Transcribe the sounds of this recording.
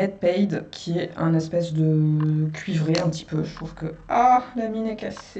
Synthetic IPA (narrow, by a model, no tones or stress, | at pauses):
ɛd̪̚pɛjd̪kʲʰiɛɛ̃nɛspɛsd̪əkʲʰɥivʁeɛ̃pt̪i̥pøʒət̪χuv̥kəalaminɛkase